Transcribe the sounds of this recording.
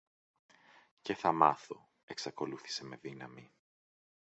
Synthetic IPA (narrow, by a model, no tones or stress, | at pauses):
ce̞θɐmɐθo̞ | e̞ksɐko̞luθi̥se̞me̞ðinɐmi